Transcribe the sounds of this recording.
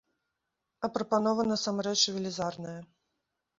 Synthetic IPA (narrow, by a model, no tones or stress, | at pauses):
ɐpɾɐpan̪ɔvɐnɐsamɾɛt͡ʂvʲilʲizarnɐjɐ